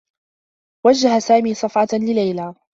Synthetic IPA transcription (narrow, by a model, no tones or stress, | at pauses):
wad͡ʒːaɦasaːmiːsˤɑfʕɑlɪlajlaː